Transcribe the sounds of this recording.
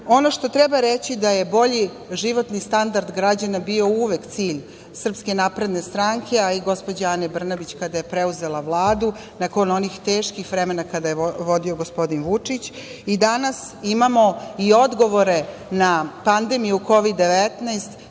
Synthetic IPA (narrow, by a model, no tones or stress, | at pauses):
o̞no̞ʃt̪o̞t̪ɾebaɾet͡ɕid̪ajebo̞ʎi | ʒiʋo̞t̪nist̪and̪aɾd̪ɡɾad͡ʑanabio̞uʋekt̪siːʎ | sr̩pske̞napɾe̞d̪ne̞st̪ɾaŋkʰe̞aiɡo̞spo̞d͡ʑanebr̩nabit͡ɕkad̪aje̞pɾeuze̞lˠaʋlˠaːd̪u | nakono̞nixt̪e̞ːʃkixʋɾemenakad̪ajeʋo̞d̪io̞ɡospo̞d̪inʋut͡ʂit͡ɕ | id̪anasimamo̞io̞d̪ɡo̞ʋo̞ɾe̞ | napand̪e̞mijuko̞ʋid̪ːe̞ʋet̪naest̪